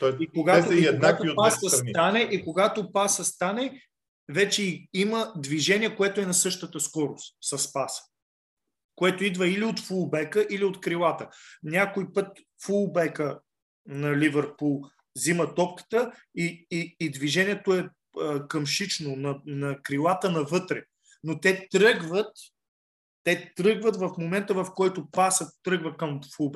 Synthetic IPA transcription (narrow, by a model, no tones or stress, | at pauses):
t̪ɔikoɡat̪oiiɛnaiopasəst̪anɛʔikoɡat̪opasəst̪anɛ | vɛt͡ʃɛiiməd̪viʒɛniɛkoɛt̪oɛnɐsɤʃt̪ət̪əskɔɾost̪sɐspasə̥ | koɛt̪oid̪vəiliot̪fulˠbɛkəʔiliot̪kɾilˠat̪ənʲakoipɤt̪̚ | fulˠbɛkə | nɐlivəɾpulˠ | zimət̪ɔpkə̥t̪ə | iiːd̪viʒɛniɛt̪oɛ | əkəmʃit͡ʃnonɐnɐkɾilˠat̪ənɐvɤt̪ɾɛ | not̪ɛt̪ɾɤɡvət̪ː | ɛt̪ɾɤɡvət̪vɐfmomɛnt̪əvɐfkɔjt̪opasət̪ːɾɤɡvəkɐmfulˠbɛ